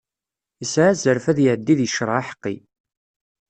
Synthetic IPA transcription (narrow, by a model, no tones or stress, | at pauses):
əsʕazəɾfæðjəʕd̪ːiðjəʃɾˤaħə̥qːḭ